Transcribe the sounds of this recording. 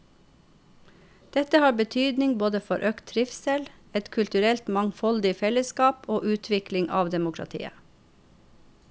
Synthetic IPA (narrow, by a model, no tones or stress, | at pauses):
d̪̥ɛt̪əhɑːɾbət̪ʰyːd̪nɪŋboːd̪əfɔɾʔøːkt̪ʰɾɪfsɛl | ɛt̪kʰʉlt̪ʉɾɛlt̪mɑŋfɔld̪ɪfɛləskɑːpoːʔʉːt̪ʰʋɪklɪŋʔɑ̰ːʋd̪ɛmʊkʰɾɑ̰t̪ʰḭːə̰